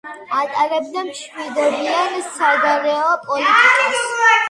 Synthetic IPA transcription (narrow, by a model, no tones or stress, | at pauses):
at̪ʼaɾɛbd̪amʃmid̪ɔbiansaɡaɾɛɔpʼɔlit̪ʼiki